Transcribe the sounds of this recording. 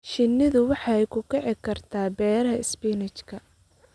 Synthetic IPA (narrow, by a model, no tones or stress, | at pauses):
ʃɪnːɪðʊwɑħɑɛjkʰʊkʰɛʕɪkʰɐrt̪ʰaːbɛːɾɐɦɐɪspiːnɪt͡ʃkʰɐ